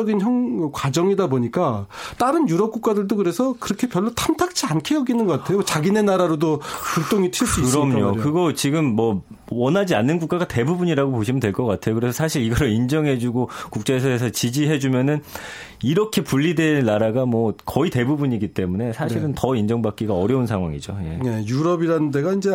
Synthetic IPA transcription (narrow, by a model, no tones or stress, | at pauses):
ʌɡinçʌŋkwad͡ʑʌŋidaboɲik͈at͈aɾɯnjuɾʌp̚k͈uk͈̚adɯɭdokɯɾe̞sʰʌkɯɾʌkʰe̞pjʌɭːotʰamtʰak̚t͡ɕʰiankʰejʌɡinɯnɡʌk͈atʰe̞jot͡ɕaɡine̞naɾaɾodopuɭt͈oŋitʰiɭss͈uiɾʌmɲokɯɡʌt͡ɕiɡɯmːʌ | wʌnɦad͡ʑianːɯnɡuk͈aɡate̞bubuɲiɾaɡopoɕʰimɯntweɭk͈ʌk͈atʰe̞jokɯɾe̞sʰʌsʰaɕʰiɾiɡʌɾind͡ʑʌŋɦe̞d͡ʑuɡokuk̚t͡ɕ͈ees̬ʰʌesʰʌt͡ɕid͡ʑiɦe̞d͡ʑumjʌnɯniɾʌkʰe̞puʎːideːaɾaɡamwʌkʌite̞bubuɲiɡit͈e̞mune̞sʰaɕʰiɾɯntʌind͡ʑʌŋbak͈iɡaʌɾjʌunsʰaŋɦwa̰ŋḭd͡ʑo̰je̞̰e̞juɾʌbiɾanɯnde̞ɡaind͡ʑe̞